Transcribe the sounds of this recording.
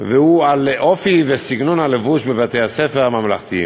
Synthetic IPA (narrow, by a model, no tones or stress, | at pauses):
vehualʔofivesiɡnonhalevuʃbebat̪ejhasefeʁamamlaχt̪i